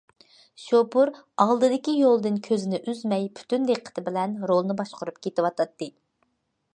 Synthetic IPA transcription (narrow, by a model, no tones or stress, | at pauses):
ʃopuɾɑlˠd̪ɨd̪ɪkʲijolˠd̪ɨnkʲʰøzɪnɪʔyzmɛjpʰy̥t̪ynd̪eqʰːə̥t̪ʰɪbɪlɛnɾolˠnɨbɑʃqʊɾup̚kʲʰet̪ɪwɑt̪ʰɑt̪ːɨ